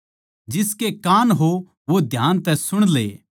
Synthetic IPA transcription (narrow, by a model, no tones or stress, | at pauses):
d͡ʒɪskekaːnɦo | ʋod̪ʱjaːnt̪ɛsʊɽ̃lḛː